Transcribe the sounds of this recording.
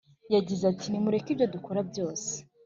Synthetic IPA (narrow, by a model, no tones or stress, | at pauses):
jaɟizatʰinimuɾe̞kibjo̞duko̞ɾabjo̞ːse̥